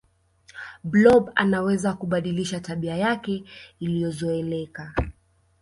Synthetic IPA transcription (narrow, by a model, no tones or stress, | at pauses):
blɔɓa̰nawɛzakuɓaɗiliʃataɓiajakɛilijɔzɔɛlɛka